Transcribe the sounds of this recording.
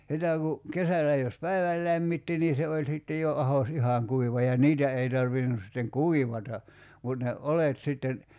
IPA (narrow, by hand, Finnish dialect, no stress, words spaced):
sitæ ku kesælæ jos pæiʋæl læmːitːi ni se olʲ sitːe jo ɑhos ihɑŋ kuiʋɑ jɑ niːtæ ei tɑrʋinus sitːeŋ kuiʋɑtɑ mut ne olet sitːen